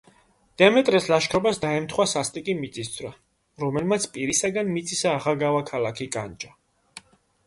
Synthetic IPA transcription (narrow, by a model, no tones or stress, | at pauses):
d̪̥ɛamɛt̪ʼɾɛslaʃkʰɾɔbasd̪aɛmt̪ʰχwasast̪ʼikʼimit̪sʼisd̪zʰɾa | ɾɔmɛlmat̪sʰpʼiɾisaɡanmit̪sʼʰisaːʁaɡavakʰalakʰikʼa̰nd͡ʒa